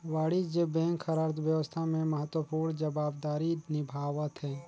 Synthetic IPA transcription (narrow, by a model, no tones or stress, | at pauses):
ʋaːɽid͡ʒebɛ̃ːŋkxəɾaːɾt̪wjəʋəst̪ʰamẽməɦət̪wəpuːɾnd͡ʒəbaːbd̪aːɾinɪbʱaːʋət̪ɦɛː